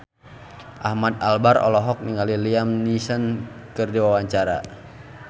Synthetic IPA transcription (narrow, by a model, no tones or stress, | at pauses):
ʔahmat̪albarɔ̰lɔɦɔk̚niŋɡaliliamnisənkɨrdiwawaɲt͡ʃaɾa̰